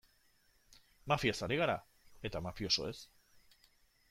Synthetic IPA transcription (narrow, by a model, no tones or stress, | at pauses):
mafiasaɾiɣaɾa | e̞t̪amafjo̞so̰e̞s